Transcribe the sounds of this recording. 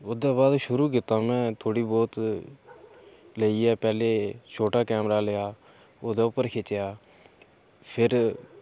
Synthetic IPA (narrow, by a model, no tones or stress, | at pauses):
oːd̪aːbaːd̪ʃʊɾuːk̬ɪt̪ãːmɛ̃ːt̪ʰoːɽiːbɔːt̪ | leiːɛːpɛːleːt͡ʃʰoːʈaːkɛːmɾaːlejaː | oːd̪eːʊpːəɾkʰet͡ʃjaː | pʰɪɾ